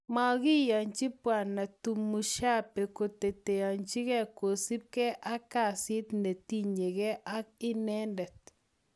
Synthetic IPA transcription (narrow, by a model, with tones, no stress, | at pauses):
ma˦ɣɪ˦ja˨ɲt͡ʃɪ˦pwa˨na˨tu˨mu˨ʃa˦pe˨ko˨te˨te˨a˨ɲt͡ʃi˦ɣɛ˦ko˨si˦p̚kɛ˦ʔa˦ka˦˨sɪ˦t̪ne˨t̪i˦ɲe˨ɣɛ˦ʔa˦k̚ɪ˦nɛ˦ndɛ˨t̪̚